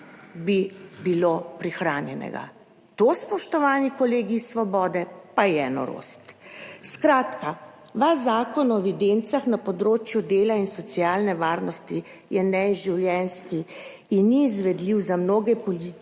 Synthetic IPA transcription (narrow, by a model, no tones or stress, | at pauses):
bibilopɾixɾaːnjɛ̰nɛ̰ɡa̰ | t̪oːspɔʃt̪ɔʋaːnikɔleːɡisʋɔbɔːd̪ɛpajɛnɔ̰ɾo̰st̪skɾaːt̪ka | ʋazaːkɔnɔɛʋid̪ent̪saxnapɔd̪ɾoːt͡ʃjud̪eːlainsɔt̪siaːlnɛʋaːɾnɔst̪i | jɛnɛʒiwljɛnskiː | nːiːzʋɛd̪liwzamnoːɡɛpɔli